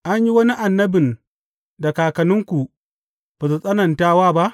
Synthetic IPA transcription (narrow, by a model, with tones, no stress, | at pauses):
ʔa˦ɲji˦wɐ˦ni˦ʔa˨nːɐ˦bɪ˨n | da˨kaː˨kɐ˨nʊ˦ŋkʷu˨ | b̥a˨z̬u˨sʼɐ˦nɐ˨ntaː˦waː˦ba˦ʔ